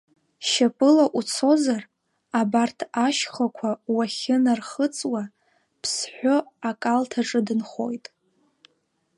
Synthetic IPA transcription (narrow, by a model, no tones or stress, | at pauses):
ʃapʼɨlaʔut͡sʰo̞zar | abartʰaʃχakʷʰawaχʲɪnarχət͡sʼwa | pʰsħʷᶣʊakʼaltʰaʈ͡ʂʼɨdɨnχo̞jtʼ